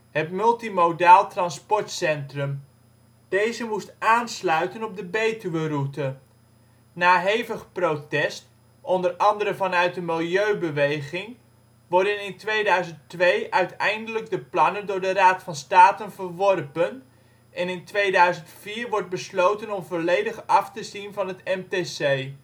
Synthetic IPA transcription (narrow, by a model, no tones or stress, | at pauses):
ɦətmɵlˠtimodaːlˠtrɑnspɔɹtsɛntrɵm | d̥ejzəmustʔaːnslœɥtənɔb̚dəbejtyʋərutə | naːɦejvəχprowtɛst | ɔndərɑndəɾəvɑnœɥt̚dəmɪlˠjøɥbəʋejχɪŋ | ʋɔɹdənɪntʋejdœɥzəntʋejʔœɥtɛjndələɡ̚dəplɑnəndʊːɹdəɾaːtfɑnstaːtənvəɹʋɔrpən | ʔɛnɪntʋejdœɥzəntfiːɹʋɔɹd̚bəslowtənɔmvolejdəχɑftəzinvɑnɦətɛmtesej